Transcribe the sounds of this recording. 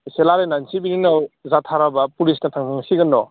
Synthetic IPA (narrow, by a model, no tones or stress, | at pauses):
selaɾenansibininawzatʰaɾabɐpulisnatʰaŋmaŋsiɡɯnːɔ